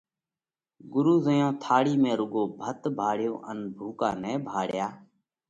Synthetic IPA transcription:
ɡʊɾuːzəjõːt̪ʰaːɽiːmẽːɾʊɠoːbʱət̪bʱaːɽɪjõːʔənbʱuːka̰ːnɛːbʱaːɽjaː

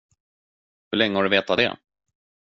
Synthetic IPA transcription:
hɵɭɛŋːəhɔɖɵveːt̪ad̪ɛ̰

